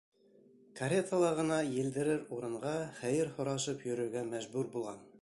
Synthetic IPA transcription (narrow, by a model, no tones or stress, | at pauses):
kɐɾʲet̪əlˠɑʁɤ̆nɑjɘ̆ld̪ɘ̆ɾɘɾuɾɤ̆ɴʁɑχæjɘɾhŏɾɑʃɤpjɵ̆ɾɵ̆ɾɡæmæʒbʉɾbulˠʁɑn